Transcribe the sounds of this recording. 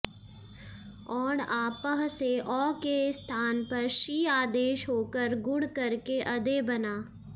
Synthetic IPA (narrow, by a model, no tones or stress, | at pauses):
ɔːɾaːpəɦseʔɔːkest̪ʰaːnpɐɾʃiːaːd̪eːʃɦoːkəɾɡʊɽkɐɾkeʔɐd̪ebɐnaː